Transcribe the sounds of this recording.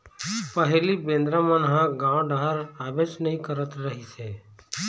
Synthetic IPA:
pəɦlibẽːnd̪ɾamənɦãɡãɖaːɾaːbeːʃnɐɦĩkəɾət̪ɾəɦiseː

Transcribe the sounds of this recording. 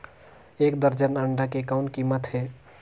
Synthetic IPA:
ekd̪əɾd͡ʒənəɳɖakekaʊnkimət̪ɦe

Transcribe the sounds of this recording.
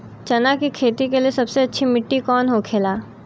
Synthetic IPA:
t͡ʃɐnakikʰeːt̪ikeliesɐbseɐtːʃʰimɪʈːikɔːnɦokʰeːlaː

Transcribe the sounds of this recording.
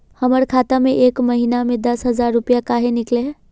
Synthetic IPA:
həməɾkʰaːt̪amẽʔeːkməɦinamẽd̪əsɦəzaːɾːʊpjakaːɦenɪkleɦ

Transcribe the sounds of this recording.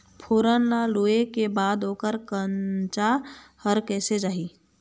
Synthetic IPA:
pʰoːɾənlaluːekebaːd̪oːkəɾkənt͡ʃahəɾkɛːsed͡ʒaːɦiː

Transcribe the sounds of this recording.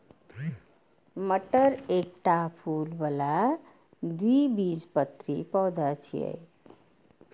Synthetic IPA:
məʈəɾek̚ʈapʰulbəla | d̪uibid͡zpət̪ɾipɔwd̪at͡ʃʰḭḛj

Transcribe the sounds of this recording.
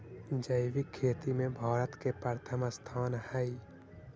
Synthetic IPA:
d͡ʒəʋikʰːeːt̪imẽbʱaːɾət̪kepəɾt̪ʰəmast̪ʰaːnhɛi

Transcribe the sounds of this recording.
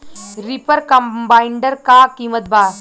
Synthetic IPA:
ɾipəɾkɐmbaiɳɖəɾkaːkiːmət̪̚baː

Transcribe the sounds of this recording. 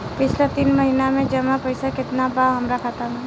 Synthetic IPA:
pɪt͡ʃʰlet̪iːnmɐɦinamẽd͡ʒɐmãpəɪsakɪt̪nabaɦɐmɾakʰat̪əmɛ̃

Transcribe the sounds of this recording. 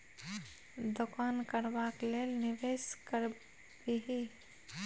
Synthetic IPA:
d̪ʊkaːnkəɾʋakleːnɪʋeːʃkəɾ | biɦi

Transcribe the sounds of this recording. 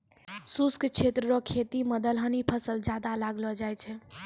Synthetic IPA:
suskt͡ʃʰet̪ɾɾɔkʰːet̪iməd̪əlɦənipʰəsəld͡ʒad̪alaɡlɔd͡ʒajt͡ʃʰɛ

